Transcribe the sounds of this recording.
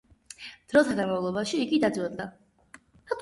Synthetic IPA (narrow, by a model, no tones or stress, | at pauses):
d̪̥ɾɔt̪ʰad̪amavlˠɔbaʃiːɡid̪ad̪zwɛd̪d̪a | at̪ʼ